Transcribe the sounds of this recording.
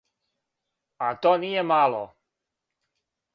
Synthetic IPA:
at̪ɔnijɛmalɔ̰

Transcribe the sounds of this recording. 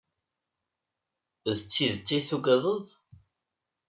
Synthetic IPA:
ðət͡sːiðt͡sːiθuɡəðˤəðˤ

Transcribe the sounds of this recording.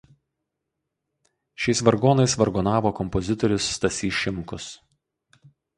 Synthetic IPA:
ʃʲɛɪsʋɐɾɡoːnɐɪsʋɐɾɡɔnɑːʋoːkɔmpɔzʲɪt̪ɔɾʲʊsːt̪ɐsʲiːʃʲɪmkʊs

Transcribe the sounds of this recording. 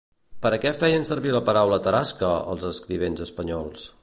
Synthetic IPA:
pəɾəkɛfɛjənsəɾβiləpəɾawlət̪əɾaskəə̰lˠzəskɾiβ̞enzəspəɲɔlˠs

